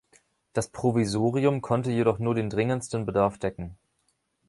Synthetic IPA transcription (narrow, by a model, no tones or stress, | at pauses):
d̥aspʁ̥ovizoːʁiʊmkʰɔntəjeɾɔχnuːɐdeːndʁɪŋənstən̩bədaɐfd̥ɛkŋ̩